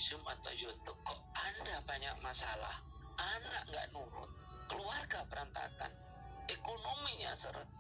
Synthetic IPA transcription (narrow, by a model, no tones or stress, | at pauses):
sʊma̰t̪a̰wd͡ʒɔt̪ʊkːɔʔandabaɲaʔmasala̰h | ʔanaʔŋɡa̰ʔnuɾʊ̰t̪̚ | kəluarɡap̪əɾant̪a̰ka̰n | ɛkonomiɲa̰səɾə̰t̪̚